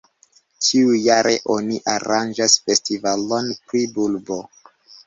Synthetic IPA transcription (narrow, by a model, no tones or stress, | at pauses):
tʰiujaɾʔḛʔo̞niʔaɾand͡ʒasfe̞stivalonpɾibulbo